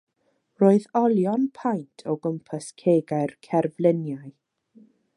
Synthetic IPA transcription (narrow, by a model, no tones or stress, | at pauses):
roːɨðɔlˠjɔnpʰajntʰɔɡəmpʰəskʰeːɡaɨrkʰɛrvlənjaɨ